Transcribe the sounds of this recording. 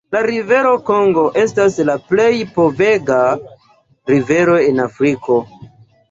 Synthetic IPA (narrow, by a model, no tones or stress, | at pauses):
laɾive̞ɾo̞ko̞ŋɡo̞ʔe̞staslaple̞jpo̞ve̞ɡa | ɾive̞ɾo̞enafɾiko̞